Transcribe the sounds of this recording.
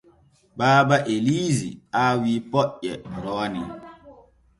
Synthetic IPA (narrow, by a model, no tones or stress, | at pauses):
baːbaʔeliːzḭawiːpɔʔɛɾɔːnḭ